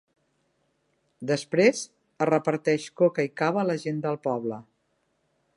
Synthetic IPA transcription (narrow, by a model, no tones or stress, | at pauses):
d̪əspɾez | ərəpəɾt̪ɛʃkokəikaβələʒend̪əlˠpɔβlə